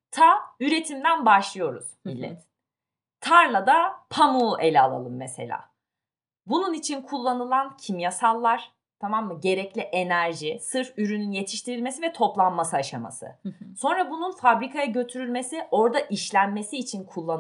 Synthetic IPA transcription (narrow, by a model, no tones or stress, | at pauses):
t̪ʰayɾe̞t̪ʰimd̪ænbaʃlˠɯjo̞ɾṵz̥milʲːɛ̰t̪ʰː | aɾlˠad̪apʰamuʔe̞lʲɛalˠa̰lˠɯmːese̞̰lʲa̰ː | bununit͡ʃʰinkʰulˠːanɯlˠancʰimjasalˠːaɾ̥ | t̪ʰamamːɯɟe̞ɾɛclʲiʔe̞næɾʒisɯɾfyɾynynje̞t̪ʰi̥ʃt̪ʰiɾilʲme̞sivɛt̪ʰo̞plˠanmasɯaʃama̰sɯ̰so̞nɾabununfabɾikʰajaɟø̞t̪ʰyɾylʲme̞siʔo̞ɾd̪aʔiʃlʲænme̞siːt͡ʃʰinkʰulˠːan